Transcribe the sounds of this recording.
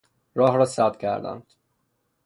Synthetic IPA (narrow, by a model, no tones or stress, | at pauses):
ɾɒːhɾɒːsæd̪cʲʰæ̰ɾd̪æ̰nd̪̥